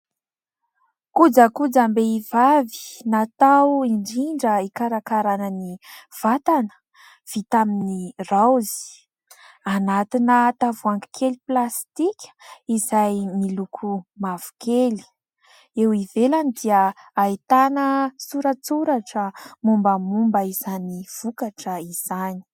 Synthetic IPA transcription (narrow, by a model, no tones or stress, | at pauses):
kud͡zəkud͡zambeivavi̥nat̪awiɳɖ͡ʐiɳɖ͡ʐəikaɾakaɾanəniv̥at̪anə̥ | v̥it̪aminirawzi̥ | anat̪inət̪avuaŋɡi̥kʰeliplast̪ikʲə̥izajmilukʰumav̥u̥keli̥ | ewivelanid̪iəait̪anəsuɾət͡suɾaʈ͡ʂəmumbəmumbəizaniv̥ukaʈ͡ʂəiz̥ani̥